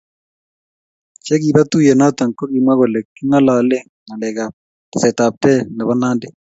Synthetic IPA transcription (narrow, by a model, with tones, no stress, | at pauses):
t͡ʃɛ˦ɡi˨ba˦tu˦je˨na˦ta˨ŋko˦ɡi˨mwa˦ɣo˨lɛ˨kːi˦ŋa˦la˨le˦ŋ | ŋa˨lɛ˨ɡa˨p̚ | tɛ˨sɛ˨ta˨p̚tɛ˦nɛ˨bɔ˦na˦ndɪ˦